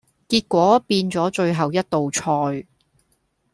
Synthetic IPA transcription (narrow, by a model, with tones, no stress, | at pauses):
kiː˧˥t̚kʷɔː˨˥piː˧nt͡sɔː˨˥t͡ʃɵ˧ɥɦɐ˨˩wjɐ˥t̚t̪o˨wt͡ʃʰɔː˧j